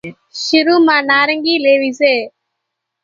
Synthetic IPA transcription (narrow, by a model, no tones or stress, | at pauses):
ʃɪɾuːmãːnaːɾəŋɡiːleːʋiːseː